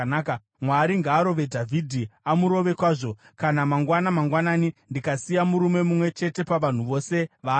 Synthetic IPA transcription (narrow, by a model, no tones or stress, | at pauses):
naːka | mwaɾiŋɡaːɾo̞ʋe̞dʱavʱidʱiamuɾo̞ʋe̞kwaːʐo̞ | kanamaŋɡwanamaŋɡwanaːnindikasijamuɾume̞mumwe̞t͡ʃe̞te̞paʋan̤uʋo̞se̞ʋaː